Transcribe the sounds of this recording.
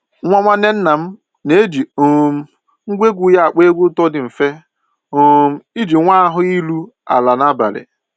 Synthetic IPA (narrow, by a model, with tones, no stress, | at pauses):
ŋʷa˦ŋʷa˦ne˦n̩˦na˨m̩˦ | ne˨˦d͡ʒi˨o˨m̩˦ | ŋ̩˦ɡʷe˦ɡʷu˦ja˦a˨k͡pe˦ɡʷu˦tɔ˦dɪ˨m̩˨fe˦ | o˨m̩˦i˦d͡ʒi˨ŋʷa˦a˦ɦʊ˦i˦lu˦ | a̰˨la˨na˦ba̰˨ɾɪ̰˨